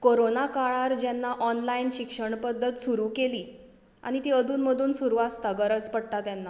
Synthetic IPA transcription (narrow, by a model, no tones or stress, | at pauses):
koɾonakaɭaɾd͡ʑɛnːaʔɔnlaiːnɕikʂəɳpəd̪ʱːət̪suɾuːkeliː | a̰ɽ̃it̪iːəd̪ʱuːnməd̪ʱuːnsuɾʋast̪aɡəɾət͡spəɽt̪at̪janːa